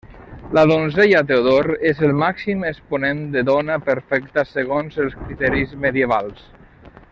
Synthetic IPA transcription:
ləðonzejat̪̬eoðoɾezəlˠmaksiməspunend̪əðɔnəpəɾfɛkt̪əsəɣ̞onzəlˠskɾit̪ɛɾizməðiəβalˠs

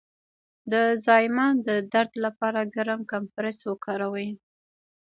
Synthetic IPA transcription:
d̪əzɑjmɑnd̪əd̪aɾd̪lapɑɾaɡaɾamkampɾeswəkɑɾawəj

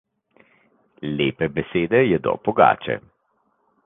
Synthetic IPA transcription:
leːpɛbɛseːd̪ɛjɛd̪ɔ̰pɔɡa̰ːt͡ʃɛ̰

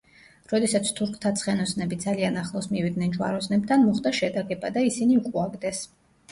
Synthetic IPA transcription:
ɾɔd̪ɛsat̪sʰt̪ʰuɾkʰt̪ʰat̪sʰχɛnɔsnɛbid̪zalianaχlˠɔsmivid̪nɛnd͡ʒwa̰ɾɔsnɛb̚t̪ʰanmɔχd̪aʃɛd̪aɡɛbad̪aisiniukʼuaɡd̪ɛs

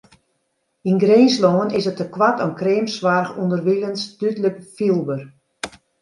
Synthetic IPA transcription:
inɡreːnsloːənɪsətəkwatɔnkreːmsʋarxundərʋilənstytləkfilˠbər

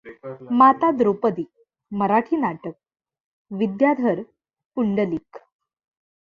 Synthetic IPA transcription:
mat̪ad̪ɾopəd̪iː | məɾaʈʰiːnaʈək̚ | ʋid̪jad̪ʱəɾ | puɳɖəliːk

